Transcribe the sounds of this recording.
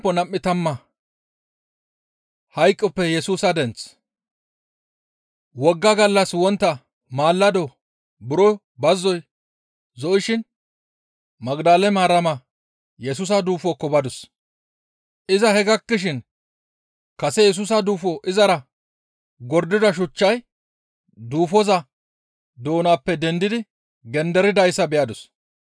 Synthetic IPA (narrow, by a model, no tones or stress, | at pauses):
pːɔnɐmːɪt̪ɐmːɐ | hɐjkʼːɔpːɛjɛsuːsɐd̪ɛnt͡s | wɔɡːɐɡɐlːɐswɔnt̪ːɐ | maːlːɐd̪ɔ | bʊɾɔ | bɐzːɔj | zɔʔɪʃɪn | mɐɡd̪aːlɛmaːɾɐmɐ | jɛs̬ʊs̬ɐd̪uːfɔkːɔbɐd̪ʊs | ʔɪzɐhɛɡɐkːɪʃ̬ɪn | kɐsɛjɛs̬ʊs̬ɐd̪uːfɔʔɪzɐɾɐ | ɡɔɾd̪ɪd̪ɐʃ̬ʊt͡ʃːɐj | d̪uːfɔzɐ | d̪o̞ːnaːpːɛd̪ɛnd̪ɪd̪ɪ | ɡɛnd̪ɛɾɪd̪ɐjsːɐbɛjɐd̪ʊs